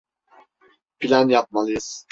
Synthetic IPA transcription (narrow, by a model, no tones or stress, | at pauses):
pʰilʲanjap̚malˠɯjɯz̥